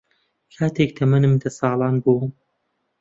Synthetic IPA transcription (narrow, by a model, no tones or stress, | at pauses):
kʰaːt̪ʰek̚t̪ʰɐmɐnɨmd̪ɐsɑːlˠɑːnbuː